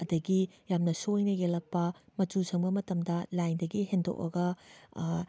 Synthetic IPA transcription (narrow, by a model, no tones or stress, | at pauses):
ɐdɐɡijamnɐsojnɐɡelɐk̚pɐmɐtt͡ʃusʰɐŋbɐmɐtɐmdɐlajndɐɡiɦendo̰k̚ɐ̰ɡɐ